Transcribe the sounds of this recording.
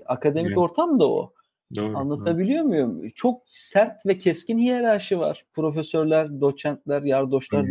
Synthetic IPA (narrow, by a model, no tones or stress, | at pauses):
akʰad̪e̞mico̞ɾt̪ʰamd̪ao̰ | anlˠat̪ʰabilʲijo̞ɾmujumt͡ʃʰo̞k̚sæɾt̪vɛcʰɛscʰinhijeɾaːʃɯva̰ɾ̥pʰɾo̞fesøɾlʲæɾd̪o̞t͡ʃænt̪lʲæɾjaɾd̪o̞ʃlˠaɾ